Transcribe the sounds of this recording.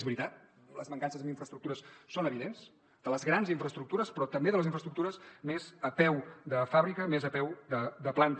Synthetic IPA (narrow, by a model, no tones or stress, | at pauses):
zβɾit̪at̪̚ | ləzməŋkansəzəmiɱfɾəst̪ɾukt̪uɾəssonəβiðenz | d̪̥ələzɣɾanziɱfɾəst̪ɾuk̚t̪uɾəspɾɔt̪əmbeðələziɱfɾəst̪ɾukt̪uɾəsmezəpɛwd̪əfaβɾikəmezəpɛwd̪əd̪əplant̪